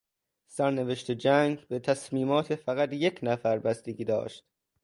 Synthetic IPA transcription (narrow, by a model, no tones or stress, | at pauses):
sæɾneveʃt̪ʰed͡ʒæːŋɡbe̞t̪ʰæsmiːmɒːt̪ʰefæɣæt̪jecʰnæfæɾbæst̪eɡʲiːd̪ɒ̰ːʃt̪